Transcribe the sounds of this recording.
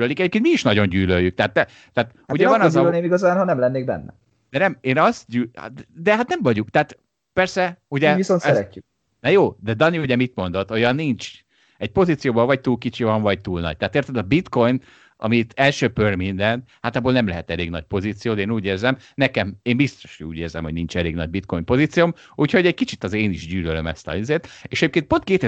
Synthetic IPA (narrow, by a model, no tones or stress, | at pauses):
lølikɛɟepkenmiiʃnɒɟo̞ɲɟyːløjːykt̪ɛɦat̪ːɛ | t̪aːt̪ | auɟɛvɒnɒzɒølneːmiɡɒzaːnɦɒnɛmlɛnːeːɡ̚bɛ̰nːɛ̰ | d̪ɛnɛmeːnɒst̪ɟyːd̪ɛɦat̪nɛmvɒɟukt̪aːt̪ | pɛrsɛuɟɛʋisont̪ɛɛːy | nɛjoːd̪ɛd̪ɒniuɟɛmit̪mo̞nd̪o̞t̪o̞jɒnːiɲt͡ʃ | ɛɟ̚po̞ziːt̪sijoːbolvɒɟ̚t̪uːlkit͡ʃivɒɱvɒɟ̚t̪uːlnɒ̰ɟ̚t̪aːt̪eːrt̪ɛd̪ɒbit̪ko̞jn | ɒ̰mit̪ʰɛlʃøpørmind̪ɛnt̪hat̪ɒboːlnɛmlɛɦɛt̪ɛleːɡnɒ̰ɟ̚po̞ziːt̪sijoːd̪ɛeːnuːɟeːrzɛmnɛkɛmeːmbist̪o̞̥ʃṵːɟeːrzɛ̰mho̞ɟnint͡ʃɛleːɡnɒ̰ɟ̚bit̪̚ko̞jmpo̞ziːt̪sijom | uːcho̞ɟɛc̚kit͡ʃit̪ːɒzeeːniʒɟyːlølømɛ̰st̪ɒ̰izeːrt̪eːʃɛɟeːpkeːnt̪po̞nt̪keːt̪e